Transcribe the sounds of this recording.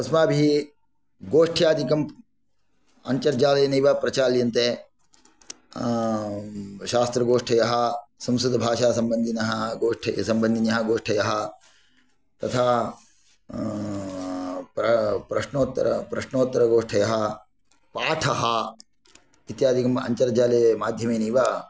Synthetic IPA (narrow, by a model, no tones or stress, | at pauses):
ɐsmaːbʱi | ɡoːʂʈʰjaːd̪ikɐm | ɐ̰ɲt͡ʃɐɾd͡ʒaːlɐjɐnɐiʋapɾɐt͡ʃaːljɐnt̪eː | ʃaːst̪ɾɐɡoːʂʈʰɐjɐɦɐ̆sɐ̃msud̪ʱɐbʱaːʃaːsɐmbɐnd̪ʱinɐɦɐɡoːʂʈʰɐsɐmbɐnd̪ʱinɐɦɐɡoːʂʈʰɐjɐɦɐ̆ | t̪ɐt̪ʰaː | pɐpɾɐʂɳoːt̪ːɾɐ̰pɾɐʂnoːt̪ːɐɾɐɡoːʂʈʰɐjɐɦɐ̆ | paːʈʰɐɦɐ | it̪jaːd̪ikɐmɐ̰ɲt͡ʃɐɾd͡ʒaːlɐjɐmaːd̪ʱjɐmeːnɐjʋa